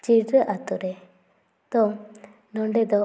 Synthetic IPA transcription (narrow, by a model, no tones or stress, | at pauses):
t͡ʃiɾɾəʔat̪uɾɛ | t̪ɔ | nɔɳɖɛd̪ɔ